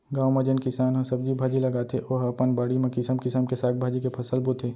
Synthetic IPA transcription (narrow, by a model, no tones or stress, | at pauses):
ɡaːwmɐ̃d͡ʒənkɪsaːnɦɐ̃sɐb̚d͡ʒibʱaːd͡ʒilɐɡaːt̪ʰeʔoːɦɐpənbaːɽimẽkɪsəmkɪsəmkesaːk̚bʱaːd͡ʒikepʰɐsəlbut̪ʰeː